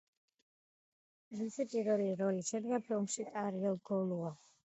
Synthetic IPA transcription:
zisʰipʼiɾɛliɾɔliʃɛd̪ɡapʰilˠmʃikʼaɾiɛlˠɡɔlua

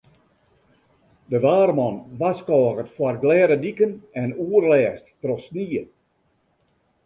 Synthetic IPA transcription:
dəʋaːrmɔnʋaskɔːɣətfwarɡlɛːɾədikənɛnuərlɛːsttrɔsniə

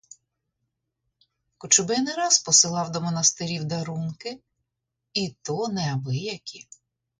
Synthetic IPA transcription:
kʊt͡ʃʊbɪnɪɾɑspɔsɪlˠɑwd̪ɔmɔnɐst̪ɪɾʲiwd̪ɐɾunkɪ | it̪ɔnɛɐbɪjɐkʲi

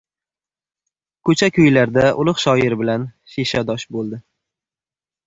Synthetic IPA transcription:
kʰɵt͡ʃʰakʲʰʊjlaɾd̪aʔʊlˠʊqʃɒɪɾɪbɪlan | ʃeʃad̪ɒʃbolˠd̪ɪ

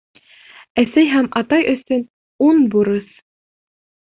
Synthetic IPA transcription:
æsæjɦæmɑt̪ɑjɵ̆sɵn | unbuɾɤs

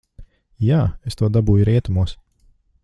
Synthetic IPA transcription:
jaːest̪uɔd̪abuːjuɾiɛt̪umuɔs

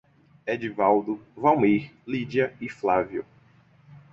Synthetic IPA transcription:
ɛd͡ʒivawd̪ʊvawmiɾlid͡ʒiɐiflavjʊ̰

